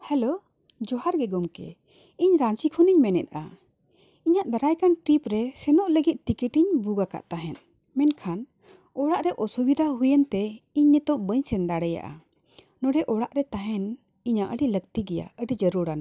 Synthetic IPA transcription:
hɛlo | d͡ʒɔɦaɾɡɛɡɔmkɛ̰ | iɲɾãɲt͡ʃikʰɔniɲmɛnɛ̰t̪̚a̰ | iɲaʔd̪aɾajkanʈɾipɾɛsɛnɔʔləɡit̪̚ʈikiʈiɲbuɡaka̰ʔt̪aɦɛn | mɛnkʰan | ɔɽaʔɾɛʔɔsubid̪ʱaɦujənt̪ɛiɲːɛt̪ɔʔbəɲsɛnd̪aɽɛja̰ʔa̰ | nɔɖɛʔɔɽaʔɾɛt̪aɦɛn | iɲaʔəɽilək̚t̪iɡɛja̰əɖid͡ʒəɾuɽana

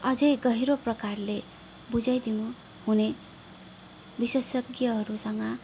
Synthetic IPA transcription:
ʌd͡zʌjɡʌɦiɾoprʌkarle | bud͡zajd̪inu | hune | biswesʌɡjʌɦʌɾusʌŋɡʌ

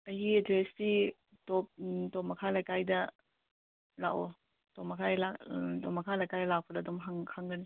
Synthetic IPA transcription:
ɐɦietɾesti | tɔp̚tɔpmɐkʰalajkajdɐ | la̰ʔo | tɔpmɐkʰajlatɔpmɐkʰalajkajdlak̚pʰɐɾɐːdɔmɦaŋhʰaŋɡɐni

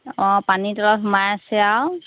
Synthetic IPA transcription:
ɔ̃panitɔɹɔkʰmajsɛaw

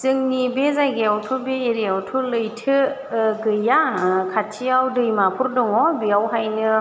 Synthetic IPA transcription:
zɯŋnibezajɡejawtʰubeːɾijawtʰulɯjtʰɯɡɯjakʰatʰiawdɯjmapʰuɾdɯŋɔbiawɦajnɯ

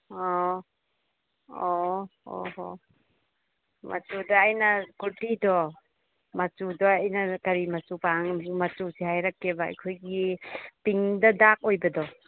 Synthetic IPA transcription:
o | oo̰o̰ | mʔɐ̰t͡ʃudɐːjnɐkutidɔ | mɐt͡ʃudɔajnɐkɐɾimɐt͡ʃupaŋmɐt͡ʃusehajɾakːeba̰ːjkʰojɡipiŋdɐdak̚ojbɐdɔ

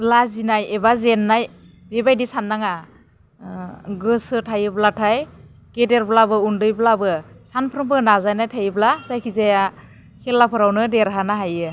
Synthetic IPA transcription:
lazinajebazenːaj | bebajdisanːaŋa | ɡɯsɯtʰajɯblatʰaj | kedeɾblabɯundɯjblabɯsanpʰɾɯmpʰɯnazajnajtʰajɯblasajkʰizaja | kʰelːapʰɯɾawnɯdeɾɦanaɦajɯ

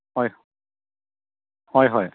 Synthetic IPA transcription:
hɔj | hɔjɦɔj

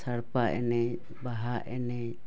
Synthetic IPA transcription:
saɽpaʔɛ̰nɛ | baɦaʔɛnɛ

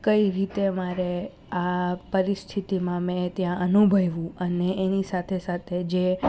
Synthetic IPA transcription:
kəiɾit̪emaɾe | apəɾist̪ʰit̪imãmɛ̃t̪jãʔənubʱəjʋũəneːnisat̪ʰesat̪ʰed͡ʒe

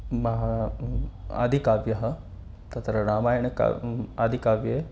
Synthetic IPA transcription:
mɐɦa | ɐ̰d̪ʱikaːʋjɐɦɐ | t̪ɐt̪ɾɐɾaːmaːjənka̰ad̪ʱikaːʋje

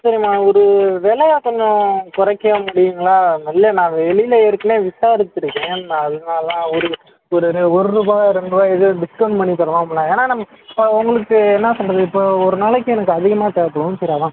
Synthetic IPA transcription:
sɐɾɪmaːɔɾɯʋɛɭɐjaːkɔɲd͡ʒõkʊɾɐkːɐjɐ̃mʊɽɪjɯŋɡɐɭaːnɐlːɐnãːʋɛɭɪlɐɪɾɯkːɯneːʋɪsaːɾɯt̪ːɪɾɯkːẽːaɐðɯnaːllãːɔɾɯ | ɔɾɯɾɔɾɯɾuːbaːɣɐɾɛɳɖɯʋaːɛðɯɖɪskɐɳʈmɐɳːit̪ɐɾɐʋãːmɐɭːãːeːnaːnɐmːɐ | ɪpːɐʊŋɡɐɭɯkːɯɛnːɐsɔlrɐðɯɪpːoːɔɾɯnaːɭɛk̬ːʊ̃ɛnɐkːɯɐðɪɣɐmaːt̪ɛːɐpːɐɽɯnt̪ɪɾaːðãː

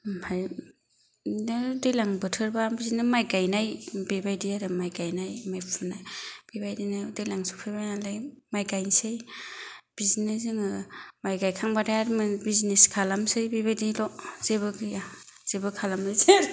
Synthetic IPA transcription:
haj | nɯdɯjlaŋbɯtʰɯɾbabiznɯmajɡajnajbibajdiaɾɯmajɡajnajmajpʰunajb̥ibajdinadɯjlaŋsu̥pʰɯjbajalajmajɡajnsɯj | b̥iznezɯŋɯmajɡajkʰaŋbadajaɾmɯbizneskʰalamsɯjbibajdilɔz̥eβɯɡɯja | z̥ebɯkʰalamɯzeɾ

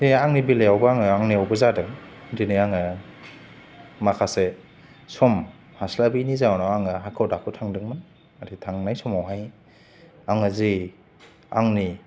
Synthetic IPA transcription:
deaŋnibileawbɯaŋɯaŋniawbɯzadɯŋdinɯjaŋɯ | makʰase | sɔm | haslabinizaɔnɔaŋɯɦakʰɔwdakʰɯtʰaŋdɯŋmɯn | aɾitʰaŋnajsɔmawɦaj | aŋɯzi | a̰ŋni

